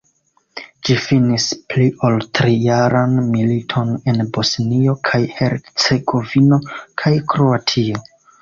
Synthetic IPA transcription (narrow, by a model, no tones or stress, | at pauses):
d͡ʒifinispliʔoltɾijaɾanmilitʰo̞ne̞nbo̞snio̞kʰajhe̞ɾt͡se̞ɡo̞vino̞kʰajkɾuatʰio